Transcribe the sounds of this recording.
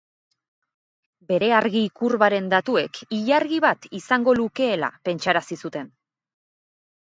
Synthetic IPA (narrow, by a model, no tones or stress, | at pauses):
be̞ɾe̞aɾɣiːkuɾβaɾe̞nd̪at̪ue̞kiʎaɾɣiβat̪isaŋɡo̞luke̞ːla̰pe̞nt͡ʃaɾasisut̪e̞n